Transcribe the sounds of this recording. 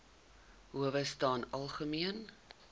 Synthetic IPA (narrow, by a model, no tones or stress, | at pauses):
ɦuəvəstɑːnɐlˠχəmiən